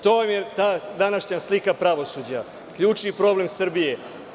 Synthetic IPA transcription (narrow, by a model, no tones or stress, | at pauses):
t̪omjet̪aːd̪anaʃɲaslikapɾaʋo̞suːd͡ʑa | kʎuːt͡ʂnipɾo̞ble̞msr̩bije̞